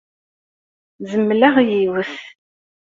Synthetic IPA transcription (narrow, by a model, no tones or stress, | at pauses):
zəmːlæʁjiwəθ